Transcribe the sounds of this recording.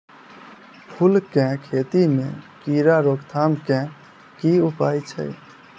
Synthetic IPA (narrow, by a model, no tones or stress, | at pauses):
pʰulkɛ̃kʰet̪imḛ̃kiɾaɾokt̪ʰamkɛ̃ | kiupajt͡ʃʰə̰j